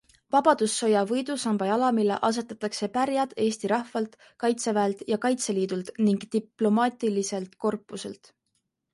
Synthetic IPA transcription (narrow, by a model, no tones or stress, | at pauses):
vɑb̥ɑd̪̥usːo̞jɑvɤjd̪usɑmb̥ɑjɑlɑmilḛʔɑs̬e̞t̪ːˑɑt̪ːˑɑkse̞pæɾjɑd̪̥e̞ːst̪iɾɑhvɑlt̪ | kɑjt̪se̞væelt̪jɑkɑjt̪se̞liːd̪̥ult̪niŋɡ̥t̪iplo̞mɑːt̪ʲˑilise̞lt̪ko̞rpːˑuse̞̰lt̪